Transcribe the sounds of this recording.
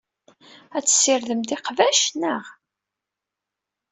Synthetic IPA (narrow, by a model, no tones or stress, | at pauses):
æt͡sːə̥sːiɾðəmd̪iqvæʃnəʁ